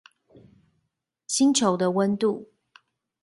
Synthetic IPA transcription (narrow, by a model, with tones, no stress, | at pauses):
ɕi˦ŋʈ͡ʂʰo˨˥ʊd̪ə˧wə˦nt̪u˥˨